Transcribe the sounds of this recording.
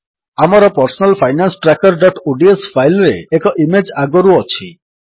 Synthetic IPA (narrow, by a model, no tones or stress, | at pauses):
amɔɾɔpɔɾsɔnalpʰajnansʈɾakɔɾɖɔʈoɖiespʰajlɔɾḛːkɔʔimed͡ʒaɡɔɾuɔt͡ʃʰi